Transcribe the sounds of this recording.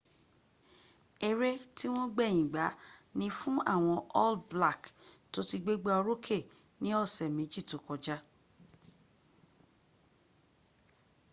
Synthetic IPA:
e˧ɾe˦ti˦w̃ɔ̃˦ɡ͡bɛ˦˨j̃ĩ˨ɡ͡ba˨˦nĩ˧fũ˦a̰˦˨w̃ɔ̃˧ʔɔ˦lbla˦˨kto˨˦ti˧ɡ͡be˦ɡ͡ba˦ɔ˧ɾo˦kʰe˦˨ | nĩ˦ɔ˦˨sɛ˨mẽ˨˦d͡ʒi˦˨to˨˦kɔ˧d͡ʒa˦

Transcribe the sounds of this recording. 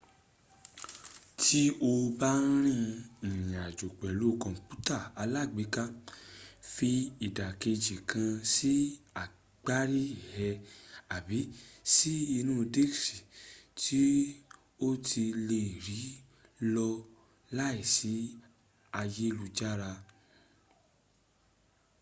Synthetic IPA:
tʰi˦o˧ba˦ɾ̃ĩ˦˧ĩ˨j̃a˨d͡ʒo˨k͡pɛ˨lu˨˦˨kɔ̃˧˨k͡pu˦ta˦˨a˧la˦˨ɡ͡be˨˦ka˦ | fi˧i˦˨da˨ke˧d͡ʒi˨kʰã˧si˦a˨ | ɡ͡ba˦ɾi˦˨hɛ˧a˨bi˨˦si˦i˧nũ˦˧de˦si˨tʰi˦ | o˦tʰi˧le˧˨ɾi˨˦ | lɔ˧ | la˦i˦˨si˨˦ | a˧je˦˧lu˧d͡ʒa˦ɾa˧

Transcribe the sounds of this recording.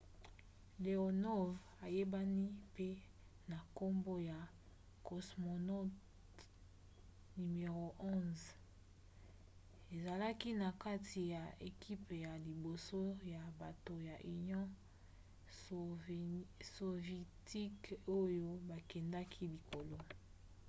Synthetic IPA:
le˨o˨nɔ˦ | a˨je˦ba˦ni˦pe˦ | na˨ko˦mbo˦ja˨ | ko˨smo˨nɔ˦t | ny˨me˨ʁo˨ʔɔ̃˦z | e˨za˨la˦ki˦na˨ka˦tʰi˨ja˨e˨ki˦pja˨li˨bo˨so˦ja˨ba˨to˨ja˨ʔy˨njɔ̃˦ | so˨vɛ˨ti˦ko˦jo˦ba˨kɛ˨nda˦kʰi˦li˨ko˨lo˦

